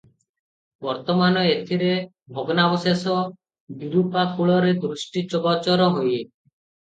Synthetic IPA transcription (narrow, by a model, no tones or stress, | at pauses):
bɔɾt̪ɔmanɔet̪ʰiɾe | bʱɔɡɔnabɔsesɔ | biɾupakʰuɭɔɾed̪ɾusʈit͡ʃɔbat͡ʃɔɾɔɦoje